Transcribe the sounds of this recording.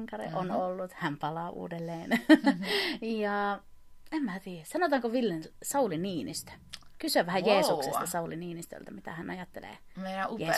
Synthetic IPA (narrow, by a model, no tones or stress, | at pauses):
ŋkɑɾḭʔonolːut̪hæmpɑlɑːʔṵːdelːeːn | jɑ | emmæːt̪iːæsɑnot̪ɑŋkoʋilːensɑuliniːnḭst̪æ̥kysøʋæhæjjeːsuksest̪ɑsɑuliniːnist̪ø̰lt̪ɑmit̪æhænʔɑjɑt̪ːḛlḛː | ejeː